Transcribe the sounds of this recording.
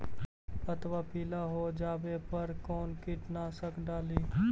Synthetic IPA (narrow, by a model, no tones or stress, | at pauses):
pət̪ʋapiːlaɦoːd͡ʒaːbepɐɾkɔːnkɪʈnasəkɖaːliː